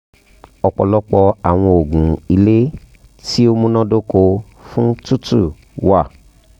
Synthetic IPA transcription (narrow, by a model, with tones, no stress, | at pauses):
ɔ˨k͡pɔ̰˨lɔ˦k͡pɔ˧a˨w̃ɔ̃˧o˨ɡũ˨i˧le˦ | ti˦o˧mũ˦nã˦do˦ko˧ | fũ˦tu˦tṵ˦˨ | wa˦˨